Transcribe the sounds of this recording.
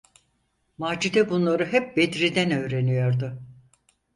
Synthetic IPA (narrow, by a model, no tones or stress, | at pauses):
maːd͡ʒid̪ɛbunlˠaɾɯɦɛp̚bed̪ɾid̪ænø̞ːɾe̞nyjo̞ɾd̪ʊ